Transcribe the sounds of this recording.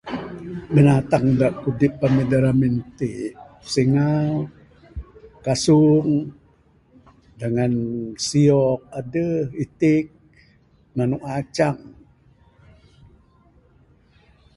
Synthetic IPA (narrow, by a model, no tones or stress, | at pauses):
bənat̪aŋdaʔkudipːamidaɾamint̪iʔ | siŋal | kasuŋ | daŋansiɔk̚adəhit̪ik̚ | manuʔat͡ʃaŋ